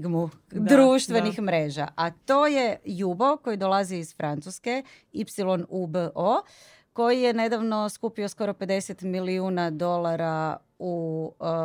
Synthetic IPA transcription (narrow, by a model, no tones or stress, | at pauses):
ɡmudd̪ɾuːʃt̪ʋe̞nixmɾe̞ːʒa̰ʔat̪o̞ːje̞juboko̞jid̪o̞lˠaziiz̥fɾant̪suske̞ | ipsilo̞nubəʔo | ko̞jije̞ne̞d̪aʋno̞skupiosko̞ɾo̞pe̞d̪e̞set̪miliuːnad̪o̞lˠaɾa | u